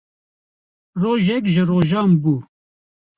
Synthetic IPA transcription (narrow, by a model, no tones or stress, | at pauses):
roːʒɛkʒɪɾoːʒɑːmbuː